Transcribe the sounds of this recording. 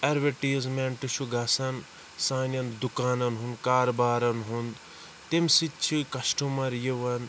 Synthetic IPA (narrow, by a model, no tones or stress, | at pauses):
ɐɾʋeʈiːzmeɳʈɨʃuɡɐsɐn | saːnʲjɐnd̪ukaːnɐnɦund̪kaːɾɐbaːɾɐnɦund̪ | t̪emsit͡ʃʰikɐsʈumɐɾjiʋɐn